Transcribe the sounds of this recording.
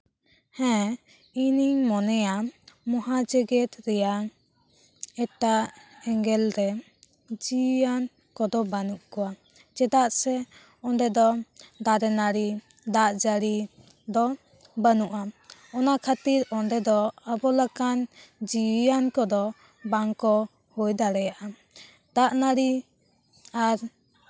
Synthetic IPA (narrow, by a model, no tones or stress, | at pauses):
hɛ̃ | iniɲmɔnɛjamɔɦad͡ʒəɡɛt̪ɾɛjaŋ | ɛt̪aʔɛŋɡɛlɾɛ | d͡ʒijan | kɔd̪ɔbanuʔkɔwa | d͡ʒɛd̪aʔsɛ | ɔɳɖɛd̪ɔd̪aɾɛnaɽi | d̪aʔd͡ʒaɽi | d̪ɔ | bənuʔaɔnakʰat̪iɾɔɳɖɛd̪ɔabɔlakand͡ʒiankɔd̪ɔ | baŋkɔ | hujd̪aɽɛjaʔa | d̪̥aʔnaɾi | aɾ